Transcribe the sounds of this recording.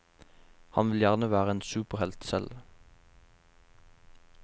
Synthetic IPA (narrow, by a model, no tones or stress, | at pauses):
hɑnʋɪljæʁnəʋæːʁəeːnsʉːpəʁhɛlt̪sɛ̰l